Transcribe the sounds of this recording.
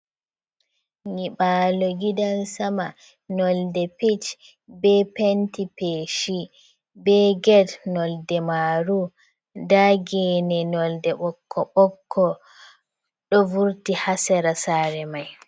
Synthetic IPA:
ɲiɓalɔɡidansama | nɔldɛpit͡ʃ | bɛpentipeʃi | bɛɡɛdnɔldɛmaɾu | daɡɛnɛnɔldɛɓɔkʰːɔɓɔkʰːɔ | ɗɔvuɾtihasɛɾasaːɾɛmaj

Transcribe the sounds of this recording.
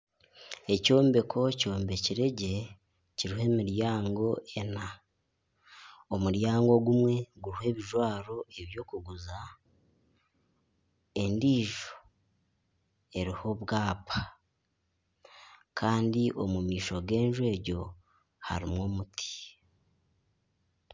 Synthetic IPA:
e̞co̞ːmbe̞kʰo̞co̞ːmbe̞ciɾe̞ɟe̞ | ciɾihe̞miɾjaːŋɡo̞ʔe̞na | omuɾjaːŋɡo̞ɡumwe̞ɡuɾihe̞ːβiʒwaːɾo̞eβjo̞ːkuɡuza | e̞ndiːʒo̥ | e̞ɾiho̞βɡaːpʰḁ | kʰaːndiʔo̞mumiːʃo̞ɡe̞ːnʒwe̞ːɟo̞ | ha̰ɾimwo̞ːmutʰi̥

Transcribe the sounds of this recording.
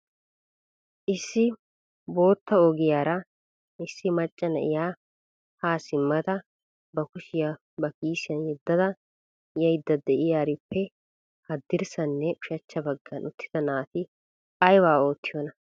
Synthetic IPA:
ʔɪsːɪ | bo̞ːt̪ːɐɔɡɪjaːɾɐ | ʔɪsːɪmɐt͡ʃʼːɐnɐ̰ʔɪ̰jaː | haːsɪmːɐd̪ɐ | bɐkʊʃɪja | bɐkiːsɪjɐnjɛd̪ːɐd̪ɐ | jɛjd̪ːɐd̪ɛʔɪjaːɾɪpːɛ | hɐd̪ːɪɾsɐnːɛʊʃɐt͡ʃːɐbɐɡːɐnʊt̪ːɪ̥d̪ɐnaːt̪ɪ | ɐjwaːo̞ːt̪ːɪjɔːnɐ

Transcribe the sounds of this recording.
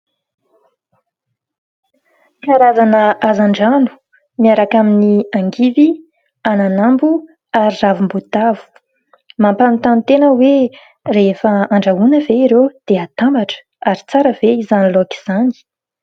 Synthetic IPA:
iaɾazanəʔazaɳɖ͡ʐanu̥ | niaɾakaminiaŋɡivi | ananambu | aɾiravumbut̪avu̥ | mampanit̪ant̪enəwe | refəaɳɖ͡ʐaɦunəveiɾed̪̥eat̪ambaʈ͡ʂə̥ | aɾit͡saɾəveizaniloki̥z̥ani̥

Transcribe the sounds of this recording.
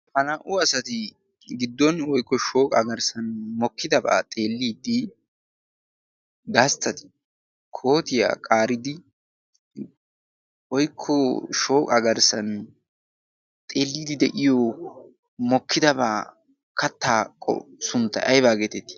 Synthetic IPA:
fɐnɐːʔʊɐsɐt̪ɪ | ɡɪd̪ːɔnwɔjkːɔʃo̞ːkʼɐ̰ɡɐɾsɐnmɔkːɪd̪ɐba̰ːt̪ʼe̞ːlːiːd̪ɪ | ɡɐst̪ːɐt̪ɪ̥ | kʰo̞ːt̪ɪja̰ːkʼaːɾɪd̪ɪ | wɔjkʰːɔʃo̞ːkʼɐɡɐɾsɐn | t̪ʼe̞ːlːiːd̪ɪd̪ɛʔɪjɔ | mɔkːɪd̪ɐba̰ː | kʰɐt̪ːaːkʼːɔ̰sʊnt̪ːɐ̰ʔɐjbaːɡet̪ɛt̪ːɪ̥

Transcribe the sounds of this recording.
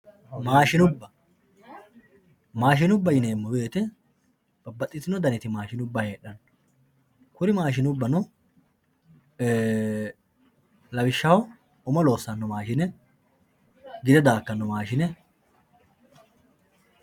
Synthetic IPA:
maːʃɪnʊbːɐ | maːʃ̬ɪnʊbːɐjɪneːmːɔbeːt̪ɛ | b̥ɐbːɐt̪ʼːɪt̪ːɪnɔd̪ɐnɪt̪ɪmaːʃɪnʊbːɐheːɗːɐn | kʊɾɪmaːʃ̬ɪnʊbːɐnɔ | lɐwɪʃːɐɔw | ʊmɔlo̞ːsːɐnːɔmaːʃɪnɛ | ɡɪd̪ɛd̪aːkːɐnːɔmaːʃɪnɛ

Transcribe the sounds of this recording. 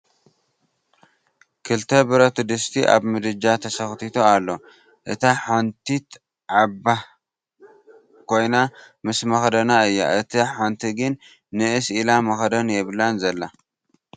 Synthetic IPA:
kʰɨlt̪ʰɐbɨɾot̪ʰɨd̪ɨst̪ʰiʔa̰βmɨd̪ɨd͡ʒːat̪ʰɐsɐxt̪ʰit̪ʰoalːo̞ | ʔɨt̪ʰaħant̪ʰit̪ | ʕaba | kʰo̞jna | mɨsmɐxd̪ɐnaɨjːa̰ʔɨt̪ʰiħant̪ʰiɡɨnː | ɨɨsʔilamɐxɐd̪ɐnjɛβlanzɐlːa

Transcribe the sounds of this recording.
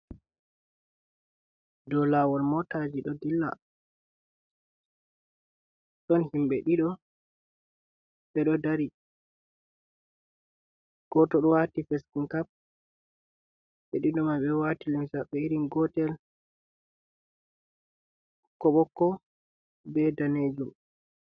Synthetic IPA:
dɔlawɔlmɔtad͡ʒiɗɔdilːa̰ | ɗɔnhimɓɛɗiɗɔ | ɓɛɗɔdaɾi | ɡ̥ɔtɔɗɔwatifɛskuŋkap̚ | ɓɛɗiɗɔmajɓɛwatilimsaɓɛiɾinɡɔtɛl | kɔɓɔkːɔ | bɛdaned͡ʒum

